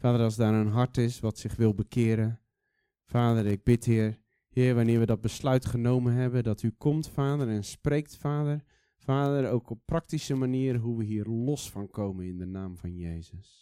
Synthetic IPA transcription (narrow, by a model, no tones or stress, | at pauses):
faːdəɾɑlˠzdaːɾənɦɑɹtɪsʋɔtsɪxʋɪlˠbəkʰɪːɾə | faːdərɪɡ̚bɪthɪːər | hɪərʋanɪːɹʋədɔt̚bəslœɥtχənowmənɦɛbəndɔtʰykʰɔmtfaːdərɛnsprejk̚tfaːdər | faːdərowkɔpːrɑk̚tisəmaniːəɾəɦuʋəɦiːərlɔsfɔnkʰowmənɪndənaːmvɑnjejzəs